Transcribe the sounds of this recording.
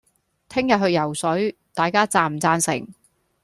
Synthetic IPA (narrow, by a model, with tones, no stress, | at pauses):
t̪ʰɪ˥ŋjɐ˨t̚ɦɵ˧ɥjɐ˨˩wsɵ˨˥ɥt̪aː˨jkaː˥t͡saː˨˩m̩˨t͡saː˧nsɪ˨˩ŋ